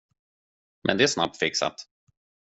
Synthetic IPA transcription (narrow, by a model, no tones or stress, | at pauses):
mʔɛ̰nd̪ɛæʂsna̰p̚t̪fɪksa̰t̪